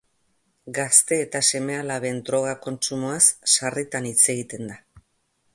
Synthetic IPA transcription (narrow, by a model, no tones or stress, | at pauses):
ɡast̪e̞ːt̪ase̞me̞alaβe̞ːnd̪ɾo̞ɣ̞ako̞nt͡ʃumoasːarit̪anit͡se̞ɣit̪e̞nd̪a